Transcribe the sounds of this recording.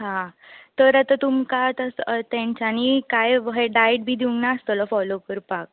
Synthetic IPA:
ɦã | t̪əɾat̪at̪umkat̪ast̪ãɲt͡ɕañikajʋəɦeɖajʈ̚bʱiːd̪iũŋɡnaəst̪əlɔfɔlokəɾpak̚

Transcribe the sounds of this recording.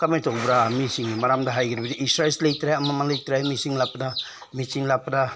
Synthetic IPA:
kamajtɔkbɾamisiŋimaɾamdaɦajɡiɾbidiʔisɾaslejtɾajamamalejtɾajmisiŋlapda | misiŋlapda

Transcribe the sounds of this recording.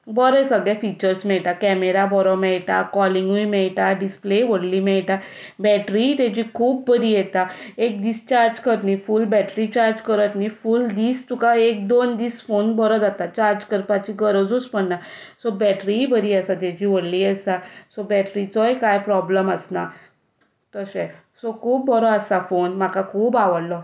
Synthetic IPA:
bɔɾəsəɡɭjafit͡ɕəɾsmɛɭʈ̪akɛmeɾabɔɾɔmɛɭʈa̰kɔliŋɡuimɛɭʈaɖispleʋoɽliːmɛɭʈa | bɛʈɾit̪jat͡ɕiːkʰuːbːəɾiːjɛt̪aek̚d̪iːst͡ɕaɾd͡ʑkəɾnifulbɛʈɾit͡ɕaɾd͡ʑkəɾət̪nifuld̪iːst̪ukaek̚d̪ond̪iːsfonbʱɔɾɔd͡zat̪at͡ɕaɾd͡ʑkəɾpat͡ɕiɡəɾɔd͡zospəɳnasɔbɛʈɾibəɾiːəsat̪jad͡ʑiːʋoɽliːəsasɔbɛʈɾit͡sɔjkajpɾɔbləməsna | t̪əsɛ | sɔkʰuːp̚bɔɾɔəsafonmakakʰuːbaʋəɽlɔ

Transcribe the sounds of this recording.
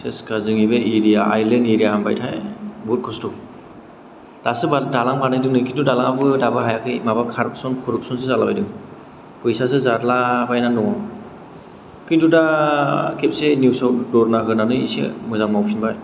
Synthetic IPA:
seskazɯŋibeiɾijaajleneɾijaamba̰jtʰajbut̚kʰɔstɔ | d̥asɯbadalaŋpanajdɯŋnɯkʰindudalaŋbɯdabɯɦajakʰɯjmabakʰaɾk̚sɔnkʰuɾɔk̚sɔnsɯzalabajdɯŋ | pʰɯjsas̬ɯzaɾlabajnanɔ | kʰinduda | kʰep̚senjusawt̚dɔɾnaɦɯnanɯḭsḛmɯzaŋmawpʰinbaj

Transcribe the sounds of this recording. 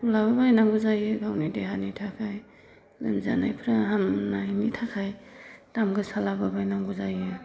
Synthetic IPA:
ulaβabajnaŋɡuzajɯɡawnideɦanitʰakʰaj | lɯ̰nza̰na̰jpʰɾaɦamnajnitʰakʰajtamɡɯsalababajnaŋɡuzajɯ

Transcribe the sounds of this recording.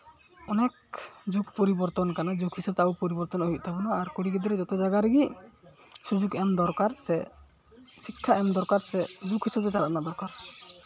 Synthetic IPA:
ɔnɛk̚d͡ʒukʰpɔɾibɔɾt̪ɔnkanad͡ʒukʰisab̚t̪ɛaupɔɾibɔɾt̪ɔnɔɦuˀt̪ʰabɔnɔaɾkuɽikid̪ɔɾɛd͡ʒɔt̪ɛd͡ʒaɡaɾɛɡi | sud͡ʒuɡɛmd̪ɔɾkaɾsɛ | sikʰːaʔɛmd̪ɔɾkaɾsɛd͡ʒukɦisab̚t̪ɛt͡ʃaɾaʔnad̪ɔɾkaɾ

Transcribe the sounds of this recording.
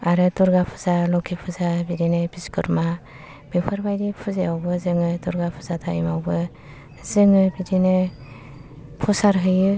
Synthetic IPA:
aɾɯtɔɾɡapʰɯ̥zalɔkʰipʰɯzabiɾinebiskʰɯɾma | bepʰɯɾbajɾipʰuzeawbɯzɯŋɯdɔɾɡapʰɯ̥zatʰaḭmawbɯ | zɯŋɯbiɾine | pʰɔsaɾɦɯjɯ

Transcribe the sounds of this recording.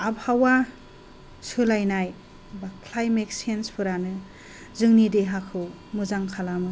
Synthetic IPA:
abhawa | sɯlajnaj | bakʰlajmek̚senspʰɯɾanɯ | zɯŋnideɦakʰɯw | mɯzaŋkʰalamɯ

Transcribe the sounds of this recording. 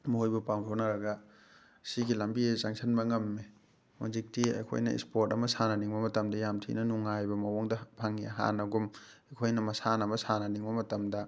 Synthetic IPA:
mɐojbɐpaŋtʰonɐɾɐɡɐ | siɡilɐmbiesaŋsʰɐnbɐŋɐmːe | mo̰d͡ʒik̚tiɐ̰jkʰo̰jnɐ̰ḭspoɾtɐmɐsanɐniŋbɐmɐtɐmdɐjamtʰḭnɐnuŋajbɐmɐwoŋdɐpʰaŋiaɦa̰nɐɡum | ɐjkʰojnɐmɐsanɐmɐsanɐniŋbɐmɐtɐmdɐ

